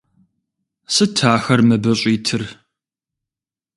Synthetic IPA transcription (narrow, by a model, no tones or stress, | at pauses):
sɨtʰːaːxɐrmɐbɐɕʼiːtʰɨr